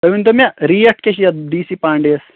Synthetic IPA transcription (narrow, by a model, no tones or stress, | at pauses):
t̪ɐʋint̪omʲɐɾiːɐʈ̚kʲeɕijɐd̪iːsipaːɳɖeːs